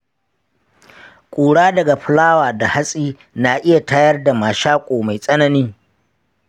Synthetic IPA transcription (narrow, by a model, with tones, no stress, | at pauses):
kʷʼuː˨ɽaː˦dɐ˨ɡa˨ɸɪ˨laː˦waː˨da˨ha˦sʼiː˦ | naː˨ʔɪ˦ja˨taː˦jɐ˦rda˨maː˨ʃaː˦kʷʼoː˨ma˨jsʼɐ˦nɐ˦niː˦